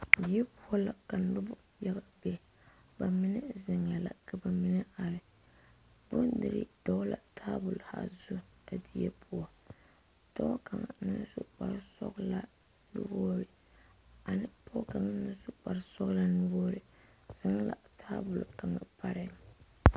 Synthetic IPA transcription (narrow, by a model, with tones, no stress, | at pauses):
di˨˦ɛ˦pʊ˦ɔ˦la˨ka˨n˨lʊ˦bʊ˦ | ja˦ɣa˨be˦ | ba˨mɪ˦nɨ˦zɪ˨ŋa˨la̰˨ka˨ba˨mɪ˦nɛ˦a˨ɾɪ˨ | bʊ˦nnːɨ˨ɾɪ̰˦d̥ɔ˦la̰˨tʰaː˦bʊ˨lha̰˦˨zu˦a˨di˦ɛ̰˦pʊ˦ɔ˦ | tɔ˦ka˨ŋa̰˨nɪ˦sʊ˦k͡pa˨ɾsɔ̰˦ɡla˦ | nṵ˦boː˦ɾɪ˨ | a˨nɪ˦pʰɔ˦ka˨ŋa˦nɨ˦n˦sʊ˦k͡pa˨ɾsɔ˦ɣla˦nu˦boː˦ɾɪ˨ | z̥a˦ŋ˦la̰˨tʰaː˦bʊ˨lʊ˨ka˨ŋa̰˨pa˦ɾɪ˦